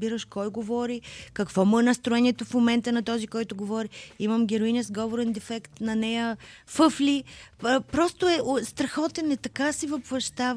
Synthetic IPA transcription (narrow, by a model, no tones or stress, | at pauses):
biɾəʃkɔjɡovɔɾikɐkvɔmənɐst̪ɾʊɛniɛt̪ofmomɛnt̪ənɐt̪ɔzikɔjt̪ʊɡovɔɾiimɐmɡʲɛɾoinɛzɡɔvoɾɛnd̪ɛfɛkt̪nɐnɛjəfɤflʲipɾɔst̪ʊɛʔst̪ɾɐxɔt̪ɛnɛt̪ɐkasivɐpvɐʃt̪av